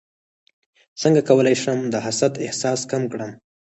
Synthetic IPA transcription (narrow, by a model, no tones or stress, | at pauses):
səŋɡakawəlajʃəmd̪əɦasat̪ɪhsɑskamkɽəm